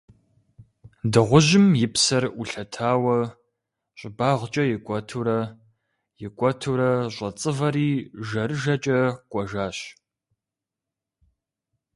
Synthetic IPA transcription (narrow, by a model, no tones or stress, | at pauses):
dɨʁʷʊʑɪmjɪpsɐruɬɐtʰaːwɐ | ɕʼɪbaːʁt͡ʃʼɐjɪkʷʼɔtʰuɾɐ | jɪkʷʼɔtʰuɾɐɕʷʼɐt͡sʼɨvɐɾiːʒɐrɨʒɐt͡ʃʼɐkʷʼɔʒaːɕ